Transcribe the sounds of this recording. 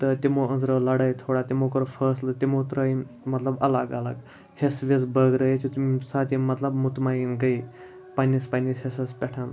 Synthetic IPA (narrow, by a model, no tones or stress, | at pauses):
t̪ət̪ʲimoənzɾəlɐɽəjt̪ʰoɽat̪ʲimokəɾfəːslət̪ʲimot̪ɾəimɐt̪ləbɐlaɡala̰ɡ | hesʋet͡sbəɡɾəjet͡ʃʰit̪umsat̪̬imɐt̪ləbmut̪mainɡəi | panispanishesəspʲɛʈʰan